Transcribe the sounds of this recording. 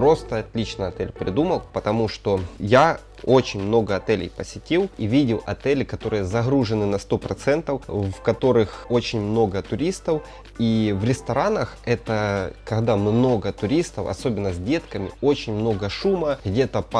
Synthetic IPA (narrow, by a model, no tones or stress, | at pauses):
ɾo̞st̪əɐt̪ʲlʲit͡ɕnəɐt̪ɛlʲpɾʲɪd̪uməlˠpət̪ɐmuʂt̪o̞ja | o̞t͡ɕɪnʲmno̞ɡəɐt̪ɛlʲɪ̰jpəsʲɪtʲilˠivʲidʲɪlˠɐ̰t̪ɛlʲɪkɐt̪o̞ɾɨjəzɐɣɾuʐɨnɨnɐst̪o̞pɾɐt̪sɛnt̪əfvkɐt̪o̞ɾɨxo̞t͡ɕɪnʲmno̞ɡət̪ʊɾʲist̪əf | ivɾʲɪst̪ɐɾanəxɛt̪əkɐɣd̪amɨmno̞ɡət̪ʊɾʲist̪əfɐ̰so̞bʲɪnːəzʲdʲe̞t̪kəmʲɪ̰o̞t͡ɕɪnʲmno̞ɡəʂuməɣdʲe̞t̪əp